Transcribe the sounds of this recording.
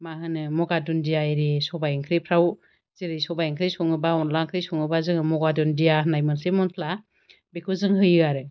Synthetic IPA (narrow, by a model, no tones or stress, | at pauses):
maɦɯnɯmɔɡadundijajɾesɔbajŋkʰɾipʰɾaw | z̥iɾisɔbajŋkʰɾisɔŋɯbaɔnlaŋkʰɾisɔŋɯbazɯŋɯmɔɡadundijanajmɯnsʰemɔnpʰla | bekʰuzɯŋɦɯjɯaɾɯ